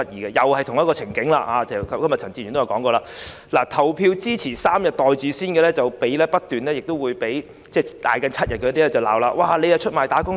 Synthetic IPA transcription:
ɐ˥t̚jiː˨˩ɡɛː˧jɐ˨whɐ˨jt̪ʰʊ˨˩ŋjɐ˥tkɔː˧t͡sʰɪ˨˩ŋkɪ˨˥ŋla̰ː˧haː˨˧t͡sɛ˨˧kɐ˥mjɐ˨t̚t͡sʰɐ˨˩nt͡siː˧ɥy˨no˥jɐ˨˩kɔː˨˥ŋkɔː˧laː˧˥ | laː˨˩t̪ʰɐ˨˩wpʰiː˧wt͡siː˥t͡sʰiː˨˩saː˥mjɐ˨t̚t̪ɔː˨jt͡siː˨˥siː˥nkɛː˧lɛː˥t͡sɐ˨˩wpe˨˥jlɛː˥pɐ˥t̚t̪yː˨nlɛː˥jɪ˨k̚t̪o˥wuː˨˧jpe˨˥j | t͡sɛː˥˩t̪a̰ː˨jkɐ˨˥nt͡sʰɐ˥t̚jɐ˨t̚kɛː˧˥t̪i˥lɛː˥t͡sɐ˨wla̰ː˨wlaː˧waː˧˩le˨˧jhɐ˨t͡ʃʰɵ˥t̚maː˨˩jt̪aː˨˥kʊ˥

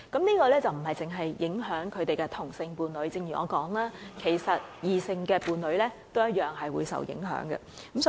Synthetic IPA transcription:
kɐ˨˥mniː˥kɔː˧lɛː˥t͡sɐ˨wm̩˨˩ɦɐ˨jt͡sɪ˨ŋɦɐ˨jːɪ˨˥ŋɦœː˨˥ŋkʰɵ˨˧ɥt̪e˨jkɛ˧t̪ʰʊ˨˩ŋsɪ˧ŋpuː˨˧nlɵ˨˥ɥt͡sɪ˧ŋjyː˨˩ɔ̰ː˨˧kɔː˨˥ŋlaː˥kʰe˨˩jsɐ˨t̚jiː˨˧sɪ˧ŋkɛː˧puː˨˧nlɵ˨˥ɥlɛː˥t̪o˥wjɐ˥t̚jœː˨ŋɦɐ˨jwṵː˨˧jsɐ̰˨wjɪ̰˨˥ŋɦœ̰ː˨˥ŋɡɛ̰˧ | kɐ˨˥ms

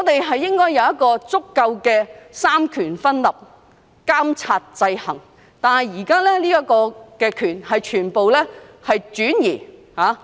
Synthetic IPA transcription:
ŋɔː˨˧t̪e˨jɦɐ˨jːɪ˥ŋkɔː˥jɐ˨˧wjɐ˥t̚kɔː˧t͡sʊ˥kːɐ˧wkɛː˧saː˥mkʰyː˨˩nfɐ˥nlɐ˨p̚ | kaː˥mt͡sʰaː˧t̚t͡sɐ˧jhɐ̰˨˩ŋ | t̪aː˨nhɐ˨˩jjiː˨˩kaː˥lɛː˥liː˥jɐ˥kɔː˧kɛː˧kʰyː˨˩nhɐ˨jt͡ʃʰyː˨˩npo˨wlɛː˥hɐ˨jt͡ʃyː˨˥njiː˨˩haː˨˧˥

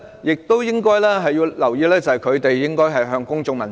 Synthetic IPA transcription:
jɪ˨k̚t̪o˥wjɪ˥ŋkɔː˥jlɛː˥ɦɐ˨jːi˧wlɐ˨˩wjiː˧lɛː˥t͡sɐ˨hɐ˨jkʰɵ˨˧ɥt̪e˨jjɪ˥ŋkɔː˥jɦɐ˨jɦœː˧ŋkʊ˥ŋt͡ʃʊ˧ŋmɐ˨˩n

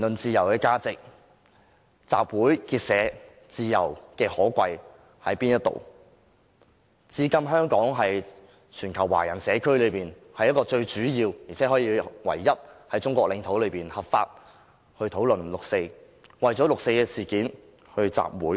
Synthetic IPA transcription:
nlɵ˨nt͡siː˧jɐ˨˩wkɛː˧kaː˧t͡sɪ˨k̚ | t͡sa̰ː˨p̚wuː˨˥jkiː˧t̚sɛː˨˥ | t͡siː˨˧jɐ̰˨˩wkɛː˧hɔː˨˥kʷɐ˧j | hɐ˨˥jpiː˥njɐ˥t̪̚o̰˨˩w | t͡siː˨˥kɐ˥mɦœː˥ŋkɔː˨˥ŋɦɐ˨j | t͡ʃʰyː˨˩nkʰɐ˨˩wa̰ː˨˩jɐ˨˩nsɛː˨˧kʰlɵ˨˧ɥpiː˨n | hɐ˨˥jɐ˥tkɔː˧t͡ʃɵ˧ɥt͡ʃyː˨˥jiː˧wjiː˨˩t͡sʰɛ˨˥ɦɔː˨˥jiː˧wɐ̰˨˩jːɐ˥t̚hɐ˨˥jt͡ʃʊ˥ŋkʷɔː˧k̚lɪ˨˧ŋt̪ʰo˨˥wlɵ˨˧ɥpiː˨˩nhɐ˨p̚fa̰ː˧t̚ | hɵ˧t̪ʰo˨˥wlɵ˨nlʊ˨k̚se˧j | wɐ˨jt͡ʃɔː˨˥lʊ˨k̚se˧jkɛː˧siː˨kiː˨˥n | hɵ˧ɥt͡sa̰ː˨p̚wuː˨˥j

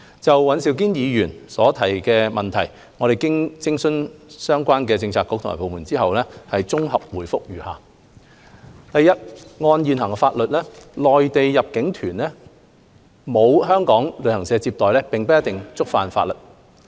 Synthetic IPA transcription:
t͡sɐ˨wwɐ˨˥nsiː˧wk̬iː˥njiː˨˧jyː˨˩nsɔː˨˥t̪ʰɐ˨˩jkɛː˧mɐ˨nt̪ʰɐ˨˩j | ŋɔ˨˧ɾe˨jkɪ˥ŋt͡sɪ˥ŋsɵ˥nsœː˥ŋkʷaː˥nkɛː˧t͡sɪ˧ŋt͡sʰaː˧kːʊ˥k̪̚ʰma̰ː˨˩po˨wmuː˨˩nt͡siː˥hɐ˨wlɛː˥hɐ˨jt͡sʊ˥ŋɦɐ˨p̚wuː˨˩jfʊ˥k̚jyː˨˩ha̰ː˨˩ | t̪ɐ˨jːɐ˥t̚ŋɔː˧njiː˨nhɐ˨˩ŋɛ˧faː˧t̚lɵ˨t̚lɛː˥lɔː˨jt̪e˨jjɐ˨p̚kɪ˨˥ŋt̪ʰyː˨˩nlɛː˥ | mo˨˧wɦœː˥ŋkɔː˨˥ŋlɵ˨˧ɥhɐ˨˩ŋsɛː˨˧t͡siː˧p̚t̪ɔː˨jlɛː˥pɪ˨ŋpɐ˥jɐ˥t̪ɪ˨˩ŋt͡sʊ˥k̚faː˨nfa̰ː˧lɵ˨t̚

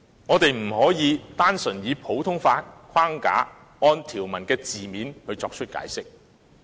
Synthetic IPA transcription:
ŋɔː˨˧t̪e˨jm̩˨˩hɔː˨˥jiː˨˧t̪aː˥nsɵ˨˩njiː˨˧pʰo˨˥wt̪ʰʊ˥ŋfaː˧t̚kʷʰaː˥ŋka̰ː˨˥ | ɔː˧nt̪ʰiː˨˩wmɐ˨˩nkɛː˧t͡siː˨miː˨˥nhɵ˨˧ɥt͡sɔ̰ː˧k̚t͡ʃʰɵ˥t̚ka̰ː˨˥jsɪ˥k̚

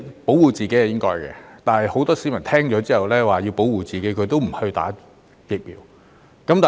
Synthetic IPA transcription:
po˨˥wwuː˨˩t͡siː˨ke˨˥jhɐ˨jɪ˥ŋkɔː˥jkɛ̰ː˧t̪aː˨nhɐ˨jho˨˥wt̪ɔː˥si˨˥mɐ˨˩nt̪ʰɛː˥ŋt͡ʃɔː˨˥t͡siː˥hɐ˨˩wlɛː˥waː˨˩ji˧wpo˨˥wuː˨t͡siː˨ke˨˥jkʰɵ˨˧ɥt̪o˥wm̩˨˩hɵ˧ɥt̪a̰ː˨˥ | jɪ˨k̚miː˨˥w | kɐ˨˥mt̪aː˨

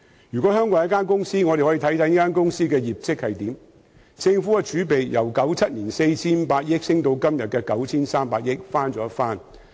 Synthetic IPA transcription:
jy˨kɔ˨˥hœː˥ŋkɔː˨˧˥jɐ˥kaː˥nkʊ˥ŋsiː˥ŋɔː˨˧ɾe˨jhɔː˨˥i˨t̪ʰɐ˨˥jt̪ʰɐ˨˥niː˦˥kaː˥nkʊ˥ŋsiː˥kɛː˧jiː˨˩p̚t͡sɪ˥k̚hɐ˨jt̪iː˨˥m | t͡sɪ˧ŋfuː˨˥kɛ˧t͡ʃʰyː˨˥pe˨jjɐ˨˩wkɐ˨˥wt͡sʰɐ˥t̚niː˨˩nse˧jt͡sʰiː˥npaː˧k̚jɪ˥k̚sɪ˥ŋt̪o˧wkɐ˥mjɐ˨t̚kɛː˧kɐ˨˥wt͡sʰiː˥nsaː˥mpaː˧k̚jɪ˥k̚faː˥nt͡sɔː˨˥faː˥n

